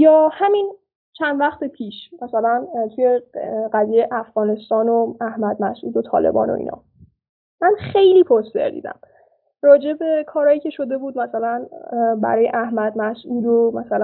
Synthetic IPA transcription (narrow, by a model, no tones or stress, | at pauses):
jɒːhæmin | t͡ʃʰænd̪væxt̪ʰepʰiːʃmæsælænt̪ʰuje̞ɢæzijejeʔæfɣ̥ɒːne̞st̪ɒːnoæhmæd̪̚mæsʔṵːd̪ot̪ʰɒ̰ːle̞̰bɒ̰ːno̰ʔḭːnʔɒ̰ː | mænxe̞jliːpʰost̪ḛɾd̪ḭd̪æ̰m | rɒːd͡ʒe̞be̞kʰɒːɾɒːjiːcʰe̞ʃo̞d̪e̞buːd̪mæsælænbæ̰ɾɒːjḛʔæhmæd̪̚mæsuːd̪omæsælæ